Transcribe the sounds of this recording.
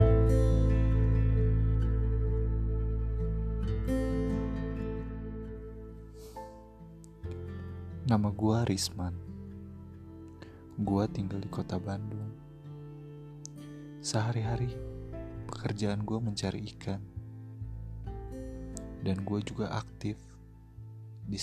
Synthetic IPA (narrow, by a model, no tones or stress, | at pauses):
namaɡuaɾʔisman | ɡuat̪iŋɡaldikot̪abandʊŋ | səɦaɾiɦaɾi | pə̥kərd͡ʒaanɡuaməɲt͡ʃaɾiːkʰan | danɡuad͡ʒuɡaʔak̚t̪ɪf | di